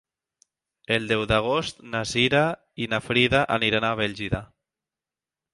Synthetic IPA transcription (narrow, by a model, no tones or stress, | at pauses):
eld̪ɛwðaɣ̞ost̪naziɾa | inafɾiðaʔa̰niɾanaβɛʎʲʒiða